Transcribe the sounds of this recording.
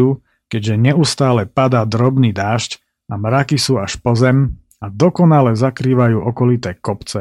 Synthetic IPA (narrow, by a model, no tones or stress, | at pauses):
uː | kɛɟʒɛɲɛust̪aːlɛpad̪aːd̪ɾɔbniːd̪aːʃc | amɾakisuːaʃpɔzɛm | ad̪ɔkɔnalɛzakɾiːʋajuːʔɔkɔlit̪ɛːkɔpt͡sɛ